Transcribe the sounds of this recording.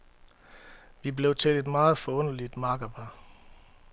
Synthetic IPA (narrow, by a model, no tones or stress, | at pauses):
ʋible̝ʊt͡sʰe̝led̥mɑ̈ːð̞̩ˠfɒ̽ɔ̽n̰əlid̥mɑ̈ːɡ̥ɐb̥ɑ